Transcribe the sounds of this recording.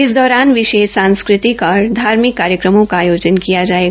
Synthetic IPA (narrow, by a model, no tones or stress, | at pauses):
ɪsd̪ɔːɾaːnʋɪʃeːʃsãːnskɾɪt̪ikɔːɾd̪ʱaːɾmɪkːaːɾjəkɾəmõkaːjoːd͡ʒənkijad͡ʒaːeːɡa